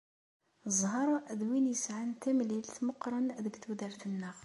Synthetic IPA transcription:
zˤhɑɾˤuʔəd̪winjəsʕənt̪æmlilt̪mʊqɾˤənd̪əɡt̪wəd̪æɾt̪ənːæɣ

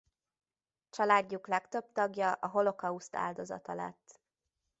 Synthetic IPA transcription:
t͡ʃɒlaːɟːuklɛkt̪ø̞bt̪ɒɡjɒʔɒɦo̞lo̞kɒust̪ʰa̰ːld̪o̞zɒ̰t̪ɒlɛ̰t̪ː

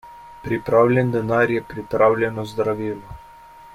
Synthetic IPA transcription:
pɾipɾawlʲɛnd̪ɛnaɾjɛpɾipɾawlʲɛnɔzd̪ɾaʋilɔ

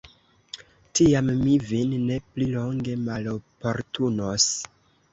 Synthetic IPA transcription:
tiamːivinːe̞plilo̞ŋɡe̞malopo̞ɾtunos

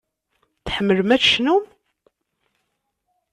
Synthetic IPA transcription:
θħəmːəlmæθʃnum

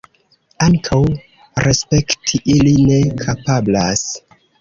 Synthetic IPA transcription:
aŋkʰaw | ɾʔespe̞ktʰiʔiline̞kʰapablas

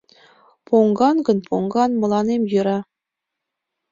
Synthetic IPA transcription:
pʰoŋɡɑnɡɤ̆npʰoŋɡɑnmɤ̆lˠɑnemjɤɾɑ

